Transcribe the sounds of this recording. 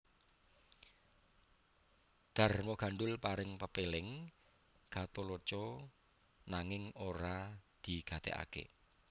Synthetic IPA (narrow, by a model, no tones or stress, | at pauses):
d̪̥a̤rmoɡ̥a̤ɳɖʊlpaɾɪŋpəpelɪŋ | ɡ̥at̪olot͡ʃɔ | naŋɪŋoɾad̪̥i̤ɡ̥a̤t̪ḛa̰kḛ